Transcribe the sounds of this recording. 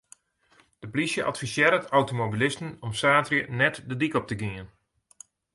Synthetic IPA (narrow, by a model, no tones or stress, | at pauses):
d̥əplisjəʔɑtfisɪːɾətawtomobilɪstənɔmsaːtrjənɛtdədikɔp̚təɡiən